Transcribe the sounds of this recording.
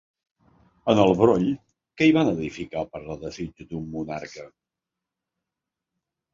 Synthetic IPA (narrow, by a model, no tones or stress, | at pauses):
ənəlˠβɾoʎ | kɛiβanəðifikapəɾləðəzid͡ʒd̪umːunaɾkə